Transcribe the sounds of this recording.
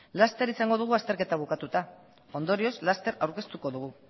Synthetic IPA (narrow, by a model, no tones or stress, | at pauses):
last̪e̞ɾisaŋɡo̞ð̞uɣ̞uast̪e̞ɾke̞t̪aβ̞ukat̪ut̪a | o̞nd̪o̞ɾio̞zlast̪e̞ɾawɾke̞st̪uko̞ðuɣ̞u